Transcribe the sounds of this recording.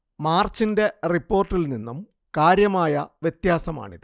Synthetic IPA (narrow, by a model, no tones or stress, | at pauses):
maːrt͡ɕːinde̞ripːo̞ːrtːilninːum | kaːɾjɐmaːjɐʋjet̪jaːsɐma̰ːɳiðɨ